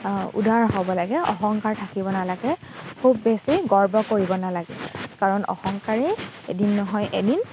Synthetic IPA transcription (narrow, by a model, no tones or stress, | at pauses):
ṵdaɹɦobɔlaɡɛɔ̰xɔŋkaɹtʰakibɔnalaɡɛ | kʰubːesiɡɔɹbɔkoɹibɔnalaɡɛ̰kaɹɔnɔ̰xɔŋkaɹiedinːɔɦɔjʔedin